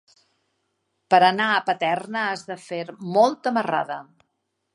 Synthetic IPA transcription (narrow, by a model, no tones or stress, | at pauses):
pəɾənaəpət̪ɛrnəazðəfeɾmɔlˠt̪əməra̰ðə